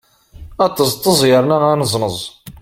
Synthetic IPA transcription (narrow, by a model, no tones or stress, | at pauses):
ɑt̪ˤːəzˤt̪ˤːəzˤjəɾˤnaanəzˤnəzˤ